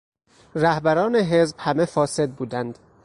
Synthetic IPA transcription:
ɾæhbæɾɒːneɦe̞zb̥hæmefɒːse̞d̪̚buːd̪ænd̪

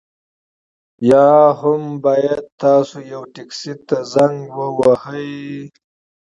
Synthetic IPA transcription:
jɑhʊmbɑːjad̪̚t̪ɑːsojawʈiksit̪azaŋɡwəwahəj

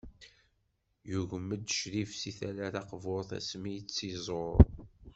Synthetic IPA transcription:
juʝəmːəd̪ʃɾifsiθæɾæθɑqvʊɾθæ̰smijt͡sːizˤoɾ

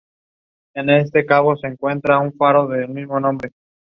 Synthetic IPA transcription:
e̞ne̞s̬t̪e̞kaβo̞se̞ːŋkwe̞nt̪ɾauɱfaɾo̞ðelmizmo̞nõ̞mbɾe̞

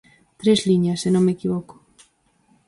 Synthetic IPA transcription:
t̪ɾezliɲɐsːenõŋmekiβɔko̥

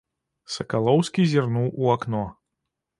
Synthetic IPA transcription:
sɐkalˠɔwskʲizʲirnuwʔuaknɔ

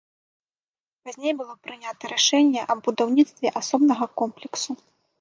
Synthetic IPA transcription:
pazʲnʲejbɨlˠɔpɾɨnʲat̪ɐɾaʂɛnʲːɛʔɐbud̪awnʲit̪st̪vʲɛʔasɔbnɐɣɐkɔmplʲɛksu

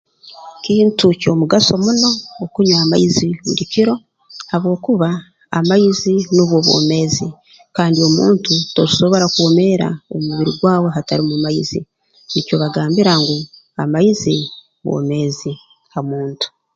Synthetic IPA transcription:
kiːntuco̞muɡaso̞muno̞ːkuɲwaːma̰izidiciɾo̞ | haβwo̞ːkuβa̰ː | majiziniβwo̞βwo̞̰ːme̞zi | kaːndio̞mṵːntutoɾiso̞βo̞ɾakwome̞ɾa̰omuβiɾiɡwaːwe̞ɦataɾimumaizi | nico̞βaɡaːmbiɾaŋɡu | a̰maizi | βwo̰ːme̞ːzi | amuːntu̥

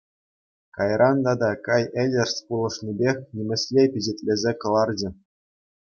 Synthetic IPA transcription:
kɑjrʔɑnd̪ɑd̪ɑkɑjelʲɘ̆rspulˠɤ̆ʂnʲibʲexʲnʲimʲɘ̆sʲlʲepʲiʑetʲlʲezʲekɤ̆lˠɑrd͡ʑɘ̆

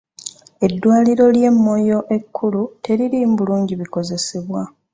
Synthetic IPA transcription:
e̞dːwaːliɾo̞lje̞mːo̞jo̞ʔe̞kʰːulute̞ɾiɾiːmbuluːɲɟiβikoze̞seβwa

